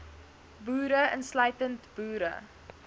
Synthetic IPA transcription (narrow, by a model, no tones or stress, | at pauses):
buːɾəənslœɥtəntb̥uːɾə̰